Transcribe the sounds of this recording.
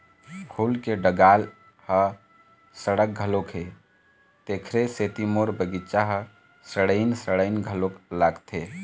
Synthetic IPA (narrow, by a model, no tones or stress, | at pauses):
kʰulkeɖəɡal | hə | səɽək̚ɡʱəlokɦe | t̪ekʰɾeset̪imoɾbəɡit͡ʃaɦə | səɽəɪnsəɽəɪnɡʱəloklaɡt̪ʰe